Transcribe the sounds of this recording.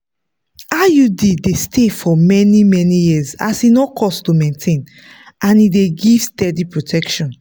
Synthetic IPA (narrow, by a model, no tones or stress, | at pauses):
ajudidestʰefɔmɛnimɛnijiza̰sinɔkʰɔstumẽntʰẽn | ʔãnideɡivstɛdipɹotʰɛkʃɔ̃n